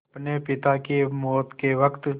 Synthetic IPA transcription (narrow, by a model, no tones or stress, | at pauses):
pnepɪt̪akemɔːt̪keʋɐkt̪